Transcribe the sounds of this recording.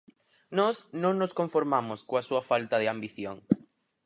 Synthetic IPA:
nɔsnõŋnoskoɱfoɾmamʊskoasuɐfalt̪ɐðɪambiθjoŋ

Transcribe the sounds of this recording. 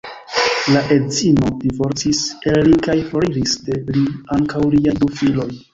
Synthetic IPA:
laʔe̞dzino̞divo̞ɾt͡siselɾikajfoɾiɾiste̞liaŋkawliajdufilo̞j

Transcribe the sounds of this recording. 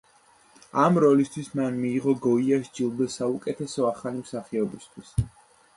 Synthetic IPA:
amɾɔlist̪ʰwismanmiːʁɔɡɔiaʃd͡ʒilˠd̪ɛsaukʼɛt̪ʰɛsɔaχalimsaχɛɔbist̪ʰwis

